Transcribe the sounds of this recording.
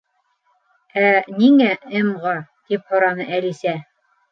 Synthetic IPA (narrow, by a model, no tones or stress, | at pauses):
æniŋæɘmʁɑt̪iphŏɾɑnɤʔælisæ